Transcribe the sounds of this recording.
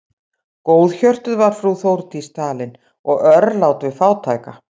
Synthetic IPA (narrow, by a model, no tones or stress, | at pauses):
koːwðçœr̥t̪ʏðvaɾ̥fɾuθowɾt̪ist̪aːlɪn | ɔɣœɾlaːwt̪vɪðfaːwt̪ʰaːjka